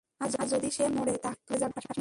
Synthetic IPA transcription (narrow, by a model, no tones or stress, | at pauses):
aɾd͡ʑaɾd͡ʑod̪iʃemoɽet̪at̪uled͡ʑabaʃa